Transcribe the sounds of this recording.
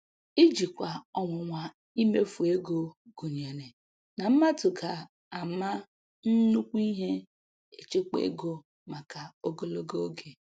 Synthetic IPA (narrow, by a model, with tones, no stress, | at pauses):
i˦d͡ʒi˨kʷa˨ɔ˨ŋʷʊ˨ŋʷa˨ | i˦me˦fu˨e˦ɡo˦ɡ̥u˨ɲ˨e˨ne˨ | na˨m̩˦ma˦tʊ˨ka˨ | a˨ma˦ | n̩˦nu˦kʷi˦ɦe˦ | e˨t͡ʃe˦kḛ˦ɡo˦ | ma˨ka˨o˦ɡo˦lo˦ɡo˦ɡe˨